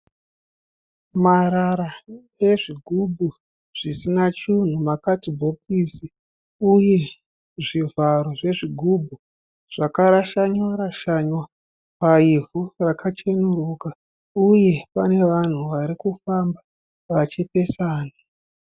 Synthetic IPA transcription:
maɾaɾa | e̞ʐiɡʱubʱu | ʐ̥isinat͡ʃun̤umakatibʱop̚isi | uje̞ | ʐivaɾoʐe̞ʐiɡʱubʱu | ʐ̥akaɾaʃaɲwaɾaʃaɲwa | paivurakʰat͡ʃe̞nuɾuka | uje̞pane̞ʋan̤uʋaɾikufamba | ʋat͡ʃepe̞saːna

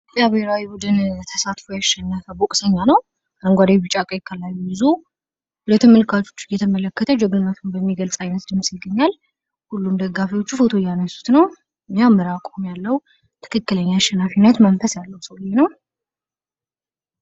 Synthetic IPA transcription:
tjaβeɾawibud̪ɨnt̪ʰəsat̪fojaʃːɛnːəfəbokʼsəɲːanəw | ʔəŋɡʷad̪awbɨt͡ʃʼːakʼəjkʰːalːajːujɨzo | hulət̪ːɨmːəlkʰat͡ʃʰo̞̥t͡ʃːjɛt̪ʰəmələkːət̪ʰəd͡ʒɛɡɨlmət̪ʰunbəmːiɡəlsʼajnət̪d̪ɨmːsjɪɡːəɲːal | hulːumd̪əɡːafiwo̞t͡ʃːufo̞t̪ʰo̞janəsːu̥t̪nəw | jawmɨɾakʼomjalːəw | t̪ʰɨ̥kʰɨkːɨləɲːaaʃːɛnːafinət̪mənfəsjalːəwsəwljenəw

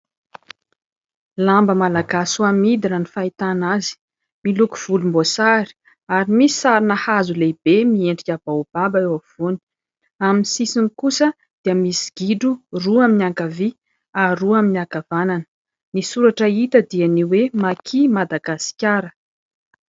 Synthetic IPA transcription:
lambəmalaɡasuamid̪inənifait̪anazi̥ | milukuv̥ulumbosaɾi̥ | aɾimisi̥saɾinahazuleb̥emieɳɖ͡ʐikʲab̥aub̥abaewav̥uni̥ | aminsisinikusə | d̪̥iəmisi̥ɡ̥iɖ͡ʐuruaminiaŋkavi | aɾuaminiakavananə̥ | nisuɾaʈ͡ʂəit̪əd̪ianiwemakʰimad̪aɡasi̥kʲaɾə

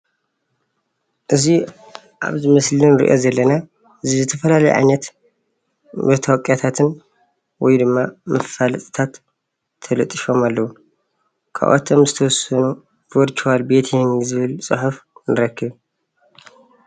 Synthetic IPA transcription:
ʔɨzi | ʔa̰βzɨmɐslɨnɨɾḭʔozɐlːɐna | ʔɨzizɨt̪ʰɐfɐlalɐj̰ʕa̰jnɐt̪ | bɐt̪ʰawɔkʼjat̪ʰat̪ʰɨn | wɔjd̪ɨmːamʔɐfalɐsʼɨ̥t̪ʰat̪ʰː | ɐlɐt̪ʼɨʃo̞malːɐwu | kʰa̰ʔo̰t̪ʰːɐmzɨt̪ʰɐwɔsɐnu | voɾt͡ʃʰwalbe̞t̪ʰihnzɨβɨlsʼɨħufnʔɨɾɐkʰːɨβ

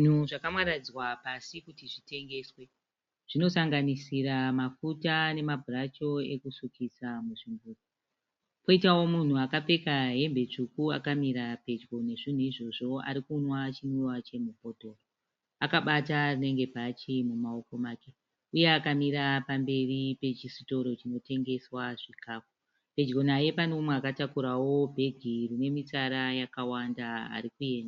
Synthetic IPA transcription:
nuʐakamwaɾad͡zwapasikutiʐite̞ŋɡe̞swe̞ | ʐ̥ino̞saŋɡanisiɾamafutane̞mabʱurat͡ʃo̞e̞kusukʰisamuʐimbuːto | po̞itawo̞mun̤uakape̞kaɦe̞mbe̞t͡ʂukua̰kamiɾape̞t͡ʃɡone̞ʐin̤uiʐo̞ʐo̞a̰ɾikunwaːt͡ʃinwiwat͡ʃe̞mupo̞to̞ːro | akaɓatarine̞ŋɡe̞pat͡ʃimumao̞ko̞maːke | uje̞akamiɾapambe̞ripe̞t͡ʃisito̞ɾo̞t͡ʃino̞te̞ŋɡe̞swaʐikaːko | pe̞d͡ʒɡo̞naje̞panomweakatakuɾawo̞bʱe̞ɡʱirine̞mit͡saɾajakawandaa̰ɾikuje̞ːnda

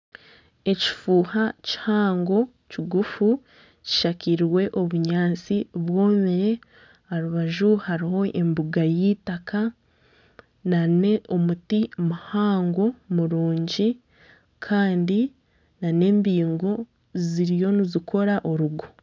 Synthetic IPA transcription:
e̞ci̥fuːhaci̥haːŋɡo̞ | ciɡufu | ci̥ʃaciɾiwe̞ʔo̞βuɲaːnt͡siβwo̞ːmiɾe̞ | aɾuβaʒuhaɾiho̞ʔembuɡajitaka | nane̞ʔomutimuhaːŋɡo̞muɾuːɲɟi | kʰaːndi | nane̞ːmbiːŋɡo̞ | ziɾijo̞nizikʰo̞ɾaʔo̞ɾuɡo

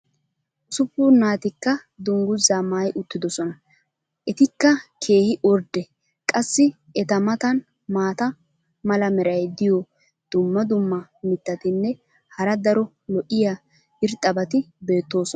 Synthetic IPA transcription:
ʔʊsʊpːʊnaːt̪ɪkːɐ | d̪ʊŋɡʊzaːmaːjʊt̪ːɪd̪ɔsɔnɐ | ʔɛt̪ɪkːɐkʰe̞ːhɪʔɔɾd̪ɛ | kʼɐsːɪ | ɛt̪ɐmɐt̪ɐn | maːt̪ɐ | mɐlɐmɛɾɐjd̪ɪjɔ | d̪̥ʊmːɐd̪ʊmːɐmɪt̪ːɐt̪ɪnːɛ | hɐɾɐd̪ɐɾɔ | lɔʔɪja | ɪɾt̪ʼːɐbɐt̪ɪbe̞ːt̪ːo̞ːsɔ

